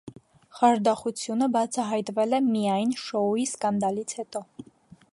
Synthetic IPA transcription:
χɑɾd̪ɑχut͡sʰjunəbɑt͡sʰɑɦɑjt̪vɛlɛmijɑjnʃɔuiskɑnd̪ɑlit͡sʰhɛt̪ɔ

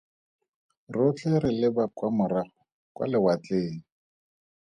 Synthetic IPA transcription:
rʊt͡ɬʼɛɾɪlɪbakwamʊra | kʼwa̰lɪwat͡ɬeːŋ̩

